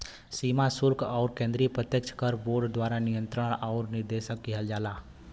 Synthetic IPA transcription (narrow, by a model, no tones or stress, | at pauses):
siːmasʊɾkʰɔːɾkẽːnd̪ɾipɾət̪jəkt͡ʃʰkəɾboːɾɖd̪waːɾanɪjə̃nt̪ɾəɽ̃ɔːɾnɪɾd̪eːʃəkːiɦəld͡ʒaːlaː